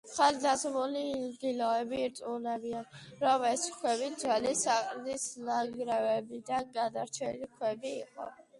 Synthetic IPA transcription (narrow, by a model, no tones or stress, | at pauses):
χalid̪azmuliɡilɔɛbiːɾt̪sʼunɛbianɾɔmɛskʰwɛbid̪zwɛlisaqʼd̪isnaɡɾɛvɛbid̪anɡad̪aɾt͡ʃʰɛlikʰwɛbiːqʼɔ̰